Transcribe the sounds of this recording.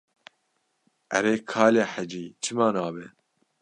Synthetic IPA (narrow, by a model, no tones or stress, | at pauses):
ʔɛ̰ɾeːkʰaːlaːħæd͡ʒiːt͡ʃʰɨmaːnaːbɛ